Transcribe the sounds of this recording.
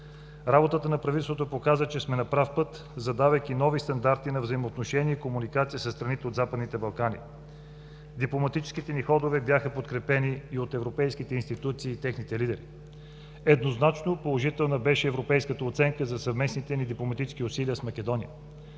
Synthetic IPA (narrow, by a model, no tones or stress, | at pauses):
ɾabot̪ət̪ənɐpɾɐvit̪ɛst̪vot̪opokazət͡ʃɛsmɛnɐpɾafpɤt̪ | zɐd̪avɐjk̟inɔvist̪ɐnd̪aɾt̪inɐvzəimoːt̪noʃɛniəikomunikat̪sijəsəst̪ɾɐnit̪ɛod̪zapəd̪nit̪ɛbɐlˠkanḭ | d̪iplˠomɐt̪it͡ʃɛ̥sk̟it̪ɛnixɔd̪ovɛbjaxəpot̪kɾɛpɛniːot̪ɛvɾopɛjskit̪ɛinst̪it̪ut̪siːt̪ɛxnit̪ɛlid̪ɛɾḭ | ɛd̪noznat͡ʃnopolˠoʒit̪ɛlˠnəbɛʃɛːvɾopɛjskət̪əot̪sɛŋkəzɐsɐvmɛsnit̪ɛnid̪iplˠomɐt̪it͡ʃɛ̥skiʊsiliəsmɐkʲɛd̪ɔnijə